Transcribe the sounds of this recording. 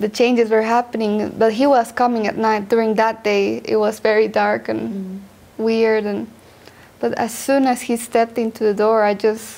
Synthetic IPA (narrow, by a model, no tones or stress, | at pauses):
ðɨt͡ʃʰẽɪ̃nd͡ʒɨzwə˞ɦæpɨnɪ̃ŋbʌt̚ɦiwʌz̥kʌmɪ̃ŋɨ̰t̚ⁿnaɪt̚d̥ʊɹɪ̃ŋðət̚d̥eɪɪ̰t̚wʌzvɛɹidɑɹkɨ̃n | wɪɹdɨ̃n | b̥ʌɾɨ̰z̥sũnɨz̥histɛp̚tɪ̃ntʰʉðɨdɔɹaɪd͡ʒʌs